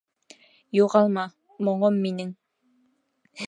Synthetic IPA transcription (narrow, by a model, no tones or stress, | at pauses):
juʁɑlˠmɑ | mŏɴomːinɘŋ